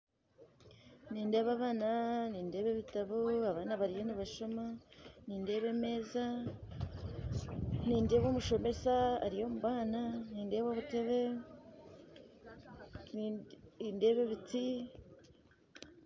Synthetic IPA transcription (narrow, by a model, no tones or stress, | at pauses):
niːnde̞ːβaβaːnaniːnde̞ːβe̞βitaβuaβaːnaβaɾijoniβaʃomaniːnde̞βe̞me̞ːza | niːndeβomuʃo̞me̞saa̰ɾijo̞muβaːnaniːnde̞βoβute̞βe̞ | ninde̞ːβeβit͡si